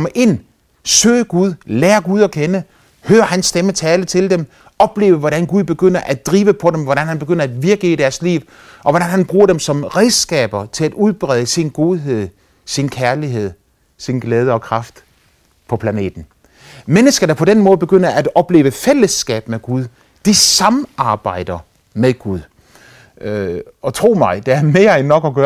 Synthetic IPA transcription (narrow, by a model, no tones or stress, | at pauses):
ɒməʔe̝n̰ | sø̰ːɡ̥uð̞ˠleːɐɡ̥uð̞ˠɒ̽kʰenə | høːɐhænsːd̥emət͡sʰɛːlət͡sʰe̝ld̥em | ɒ̽b̥le̝ːʊəʋɒɾænɡ̥uð̞ˠb̥e̝ɡ̥øn̰ɐʔæd̥ʁiːʋəpʰɒ̽ɾemʋɒɾ̥ænhænb̥e̝ɡ̥øn̰ɐæd̥ʋiɐɡ̥əid̥æɐslḭːʊ | ʔɒ̽ʋɒɾ̥ænhænb̥ʁuːɐɾ̥emsɒ̽mʁeðsɡ̥ɛ̰ːb̥ɐt͡sʰe̝læd̥uð̞ˠb̥ʁɛðˠəsinɡ̥o̝ðˠɦe̝ð̞̰ˠ | sinkʰæɐliɦe̝ð̞̰ˠ | sinɡ̥lɛːð̞ˠəɒ̽kʰʁɑ̈fd̥ | pʰɒ̽pʰlæne̝̰ːd̥n̩ | menəsɡ̥ɐd̥ɑ̈pʰɒ̽denmɔ̽ːðˠb̥e̝ɡ̥øn̰ɐʔædɒ̽b̥le̝ːʊʋəfel̰əsɡ̥ɛ̰ːb̥meɡ̥uð̞ˠ | d̥isɑ̈mɑ̈ːb̥ɑ̈ɪ̰d̥ɐ | meðˠɡ̥uðˠ | ɒ̽t͡sʰʁo̝̰ːmɑ̈ɪd̥eæɐme̝ːɐenːɒ̽ɡ̥ɒɡ̥ɶː